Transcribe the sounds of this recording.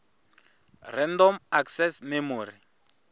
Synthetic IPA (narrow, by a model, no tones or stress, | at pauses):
rɛndɔmaksɛsmɛmuːɾi